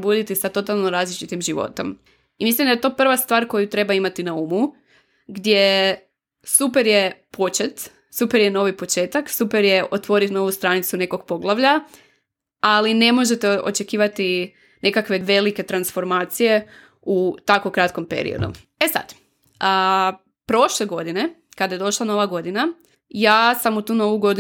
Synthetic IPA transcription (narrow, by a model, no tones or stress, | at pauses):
bud̪it̪isat̪o̞t̪alˠnoɾaːzlit͡ʃit̪imʒiʋo̞̰t̪o̞̰m | imislimd̪ajet̪o̞ːpr̩ʋast̪ʋaːɾko̞jut̪ɾe̞baimat̪inauːmu | ɡd̪je | supeɾjepʰo̞t͡ʃet̪ | supeɾjeno̞ʋipo̞t͡ʃe̞ːt̪aksupeɾjeʔot̪ʋo̞ɾit̪no̞ʋust̪ɾanit̪sune̞ko̞ɡ̚po̞ɡlˠaʋʎa | aline̞mo̞ʒe̞t̪eo̞̰t͡ʃe̞kiːʋat̪i | ne̞kakʋe̞ʋe̞like̞t̪ɾansfo̞ɾmaːt̪sije̞ | ut̪akokɾat̪ko̞mpḛɾḭo̰d̪ṵ | esa̰d̪ | ə | pɾo̞ʃleɡo̞d̪ine̞kad̪ajed̪o̞ʃlˠano̞ʋaɡo̞d̪ina | jaːsamut̪uːno̞ʋuɡo̞d̪i